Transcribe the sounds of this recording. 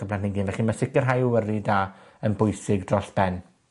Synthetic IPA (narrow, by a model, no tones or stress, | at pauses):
əblˠanniŋɡiːnvɛχimasɪkərɦajwəridaːənbʊjsɪɡdrɔɬb̥ɛn